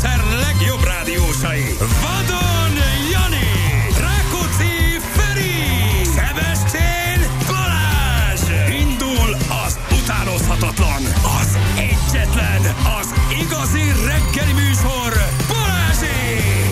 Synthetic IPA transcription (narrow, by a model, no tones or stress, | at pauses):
sɛrlɛɡjo̞braːd̪ioːʃɒji | vɒd̪onjɒniraːkot̪si | fɛɾi | sɛbɛʃt̪ʰeː | nkɔɾaːʒind̪ulɒzut̪aːno̞shɒt̪ɒt̪lɒnɒzɛɟːɛt̪lɛnɒziɡɒzirɛɡːɛlimyːʃo̞rpoɾaːʒi